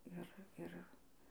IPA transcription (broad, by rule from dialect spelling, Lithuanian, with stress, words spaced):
ˈɪr ˈɪr